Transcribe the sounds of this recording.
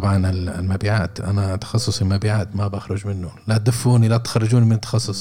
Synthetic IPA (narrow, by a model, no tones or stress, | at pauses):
ɑbʕɑnɪl̰lmabiːʕaːt̪ʔa̰nat̪ɑ̥xɑsˤːʊsˤɪlmabiːʕaːt̪mabʔaxɾʊd͡ʒmɪnːʊlat̪̚d̪ɪfːuːnilat̪xɑrˤːɑd͡ʒuːnimɪnɪt̪ːɑxɑsˤːʊsˤ